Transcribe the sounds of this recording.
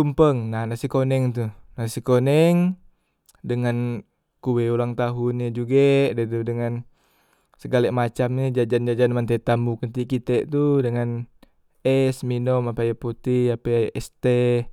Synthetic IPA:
umpəŋnanasikonɛŋt̪unasikonɛŋ | dəŋan | kuwɛulaŋt̪aɦunɲad͡ʒuɡadɛt̪̬udəŋan | səɡalɛʔmat͡ʃamɲid͡ʒad͡ʒand͡ʒad͡ʒanmant̪et̪ambukənt̪ikit̪ɛʔt̪udəŋan | ɛsminɔmapajaput̪iapeʔɛst̪e

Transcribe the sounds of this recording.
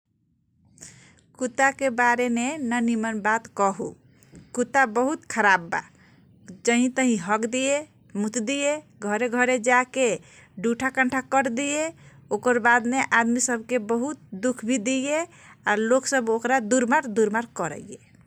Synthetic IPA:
kut̪akebaɾemenənimənbat̪kəɦṵ | kut̪abəɦut̪kʰəɾabːa̰ | d͡ʒəɦĩt̪əɦĩɦəkd̪ije | mut̪d̪ije | ɡʱəɾeɡʱəɾed͡ʒake | ɖuʈʰakə̃ɳʈʰakəɾd̪ijeokəɾbad̪meʔad̪misəbʱkebəɦut̪̚d̪ukʰbʱid̪ije | aloksəbokɾad̪uɾmaɾd̪uɾmaɾkəɾə̰je

